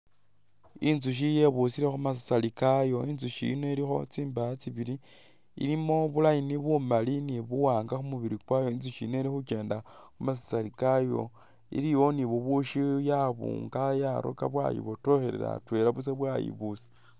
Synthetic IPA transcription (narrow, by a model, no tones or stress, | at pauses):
inzuʃ̬ije̞βusiɾe̞xumas̬i̥salikajo̞inzuʃḭno̞iɾixo̞̰t͡siːmbaat͡siβiɾi | ḭɾimo̞βulajiniβumaliniβuwaːŋɡaxumuβiɾikwajo̞inzuʃineiɾixuke̞ːndaxumas̬i̥salikajo̞̰ | ḭɾiwo̞niβuβuʃijaβṵːŋɡajaɾʔo̰ka̰βwa̰jḭβoto̞xeɾe̞̰ɾa̰twe̞ɾaβuseβwajḭβusi̥